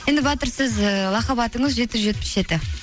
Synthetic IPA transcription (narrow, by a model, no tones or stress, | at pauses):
je̞nd̪ɪbɑt̪əɾsɪzəlˠɑqɑβɑt̪əɴəzʒe̞t̪̚pɪzʒe̞t̪pɪ̥sʒe̞t̪ɪ